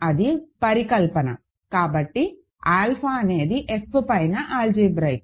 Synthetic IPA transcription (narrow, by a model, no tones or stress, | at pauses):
ɐd̪ipɐɾikɐlpɐnɐ̰ | kaːbɐʈːi | aːlpʰaɐne̞ːd̪iʔepʰːɨpɐjnɐʔaːld͡ʒiːbɾɐjk̚